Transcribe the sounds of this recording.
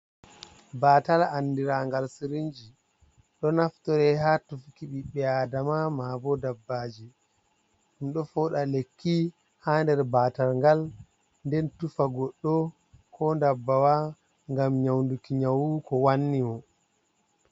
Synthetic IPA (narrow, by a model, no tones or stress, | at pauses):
baːtalanːdiɾaŋɡalsiɾind͡ʒi | ɗɔnaftɔɾɛhaːtufkiɓiɓɛadamamaːbɔdabːaːd͡ʒi | ɗumɗɔfɔːɗalekːi | haːndɛɾbaːtalŋɡal | ndɛntufaɡɔɗːɔ | kʰɔndabːawa | ŋɡamɲawndukiɲawukɔwanːimɔ